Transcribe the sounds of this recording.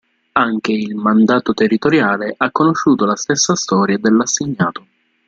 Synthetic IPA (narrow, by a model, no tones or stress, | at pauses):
aŋk̟eilmand̪aːt̪ot̪erːit̪oɾjaːleʔakːonoʃːuːt̪olast̪esːast̪ɔːɾjad̪elːasːeɲːaːt̪o